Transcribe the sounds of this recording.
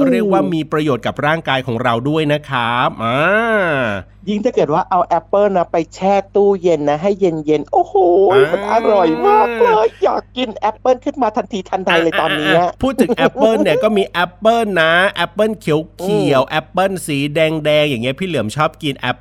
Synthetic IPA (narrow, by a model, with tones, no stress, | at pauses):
ɾi˥˩ək̚waː˥˩miː˧pɾa˧joː˨˩t̪̚ka˨˩p̚ɾaː˥˩ŋkaː˧jkʰɔː˩˦ŋɾa˧wdu˥˩əjna˦˥kʰa˦˥ʔaː˧ | ji˥˩ŋt̪ʰa˥˩kɤː˨˩t̪̚waː˥˩ʔa˧wʔɛ˦˥pːɤː˥˩na˦˥pa˧jt͡ɕʰɛː˥˩t̪uː˥˩je˧nːa˦˥ɦa˥˩jːe˧nje˧nʔoː˨˧˩hoː˨˩ma˨˦nʔa̰˧ɾɔ˨˩jmaː˥˩k̚lɤː˧jjaː˨˩kːi˧nʔɛ˦˥pːɤː˥˩nkʰɯ˥˩nmaː˧t̪ʰa˧nt̪ʰiː˧t̪ʰa˧nda˧jlɤː˧jt̪ɔː˧mniː˦˥a˦˧˩pʰuː˥˩t̪̚ʰɯ˩˨˩ŋʔɛ˦˥pːɤː˥˩ni˥˩ɐkɔː˥˩miː˧ʔɛ˦˥pːɤː˥˩na˦˥ʔɛ˦˥pːɤ˥˩nkʰi˨˩˦wkʰi˨˩əwʔɛ˦˥pːɤ˥˩nsiː˩˦dɛː˧ŋdɛː˧ŋjaː˨˩ŋːi˦˥ɐpʰiː˥˩lɯ˨˩˦əmt͡ɕʰɔː˥˩p̚ki˧nʔɛ˦˥pː